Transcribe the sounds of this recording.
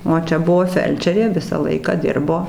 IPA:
oː ˈt͡ʃʲɛ ˈbʊʋoː ˈfʲɛlʲt͡ʃʲɛrʲeː ˈʋʲɪsɑː ˈlˠɐɪkɑː ˈdʲɪrboː

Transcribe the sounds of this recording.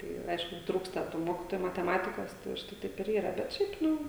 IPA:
ˈtɐɪ ˈɐɪʃkʊ ˈtruːkstɐ tuː ˈmoːkʲɪtoːjʊ mɐtʲɛˈmɑːtʲɪkoːs tɐɪ ʊʃˈtɐɪ ˈtɐɪp ɪr ˈiːrɐ bʲɛt ˈʃʲɛɪp ˈnʊ

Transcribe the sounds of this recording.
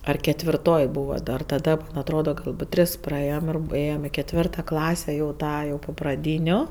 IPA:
ɐr kʲɛtʲʋʲɪrˈtoːj ˈbuːʋɐ dɐr tɐˈdɐ mɐn ˈɑːtroːdɐ ˈɡɐlˠbuːt ˈtʲrʲɪs prɐˈeːjoːm ɪr p ˈeːjoːm ɪ kʲɛtʲˈʋʲɪrtɐ ˈklˠɑːsʲɛ jɛʊ ˈtɑː jɛʊ poː prɐˈdʲiːnʲʊ

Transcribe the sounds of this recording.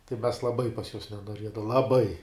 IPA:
tɐɪ mʲɛs lˠɐˈbɐɪ pɐs juɔs nʲɛnoːˈrʲiɛdɐw lˠɐˈbɐɪ

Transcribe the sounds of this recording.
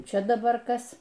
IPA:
ˈt͡ʃʲɛ dɐˈbɐr ˈkɐs

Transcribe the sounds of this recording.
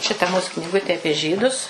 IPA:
ˈʃʲɪtɐ muːs knʲɪˈɡʊtʲeː ˈɑːpʲiɛ ˈʒʲiːdʊs

